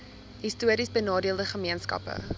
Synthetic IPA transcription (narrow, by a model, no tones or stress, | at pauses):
ɦistuəɾisbənɑːdiəlˠdəχəmiənskɐ̰pə̰